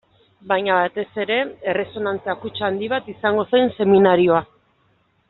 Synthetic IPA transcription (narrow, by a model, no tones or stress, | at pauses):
bajɲaβat̪e̞se̞ɾe̞ere̞so̞nant͡seakut͡ʃand̪iβat̪isaŋɡo̞sajnse̞minaɾio̞a